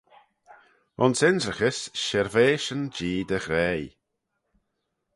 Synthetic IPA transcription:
ʊnsɪnzɾəxəsʃɛɾveːʃənd͡ʒiːd̪əxɾɛːj

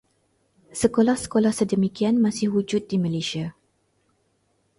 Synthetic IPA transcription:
səkolahsə̥kolahsədəmikianmasɪhud͡ʒʊt̪̚diməleʃia

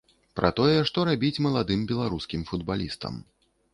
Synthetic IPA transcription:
pɾʔɐ̰t̪ɔjɛʂt̪ɔɾabʲit͡sʲmɐlˠad̪ɨmbʲɛlˠaɾuskʲimfud̪balʲist̪ɐ̰m

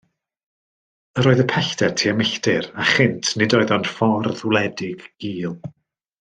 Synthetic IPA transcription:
əɾoːɨðəpʰɛɬtɛ̥tʰiːamɪɬtɪɾaχɪntʰnɪdɔɨðɔnd̥fɔrðwlˠɛdɪɡ̥ːiːlˠ

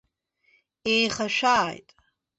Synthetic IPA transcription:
ejχaʃᶣaːjtʼ

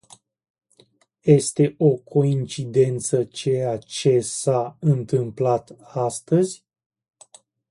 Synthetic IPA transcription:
je̞st̪e̞ʔo̞kʰo̞int͡ʃid̪e̞nt̪sət͡ʃejat͡ʃe̞saɨnt̪ɨmplat̪ast̪əzʲ

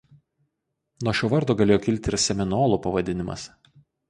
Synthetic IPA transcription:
nuɔʃʲuːʋɐɾd̪oːɡɐlʲeːjoːkʲɪlʲˑt̪ʲɪɾsʲɛmʲɪnoːlˠupɐʋɐd̪ʲɪnʲɪmɐ̰s

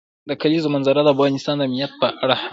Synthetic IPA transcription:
d̪əkalizomanzaɾad̪əafɣɑnɪst̪ɑnd̪əamnijat̪̚pəʔaɽah

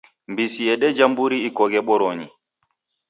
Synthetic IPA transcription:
mbisijɛɗɛd͡ʒambuɾiikɔɡɛɓɔɾɔɲi

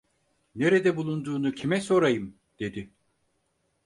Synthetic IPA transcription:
ne̞ɾed̪ɛbulˠund̪uːnucʰimɛso̞ɾajɯm | d̪̥e̞d̪ɪ

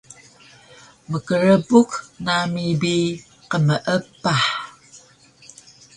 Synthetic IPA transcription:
məkəɻəbuknamibi | qəməʔəpːaħ

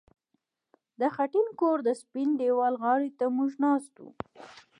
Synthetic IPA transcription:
d̪əxaʈinkoɾd̪əspinɖewɑlɣɑɽit̪amuʒnɑst̪ṵ

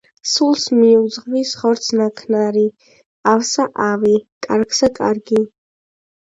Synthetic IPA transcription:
sulˠsmiud̪zʁvisχɔɾt̪sʰnakʰnaɾi | awsaʔavikʼaɾɡsakʼa̰ɾɡi

